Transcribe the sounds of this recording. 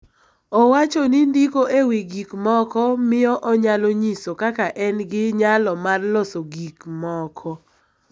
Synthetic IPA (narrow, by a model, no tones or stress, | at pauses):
ɔwat͡ʃonindikoʔewiɡikmɔkɔmɪjɔʔɔɲaloɲisokakaʔɛnɡɪɲalɔmarlɔsoɡikmɔkʰɔ